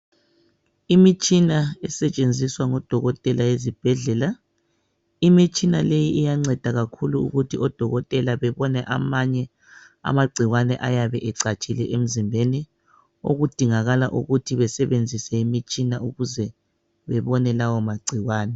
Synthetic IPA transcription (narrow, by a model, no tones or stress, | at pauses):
imit͡ʃʼinaɛsɛt͡ʃʼend͡zʱiswaŋɔd̥ʱɔɣɔtʼɛlajezib̥ʱɛɮɛla | imit͡ʃʼinalejiʔijaŋ͡ǀɛd̥ʱaɣakʰuluṵɣutʰiʔɔd̥ʱɔɣɔtʼɛlaβɛβɔnɛʔa̰maɲɛ | a̰maɡ͡ǀʱiɣwanɛʔajaβɛʔɛǀat͡ʃʼilɛʔem̩zimbʱeni | o̰ɣud̥ʱiŋaɣalaʔuɣutʰiβɛsɛβend͡zʱisɛimit͡ʃʼinauɣuzɛ | βɛβɔnɛlawɔmaɡ͡ǀʱiɣwaːnɛ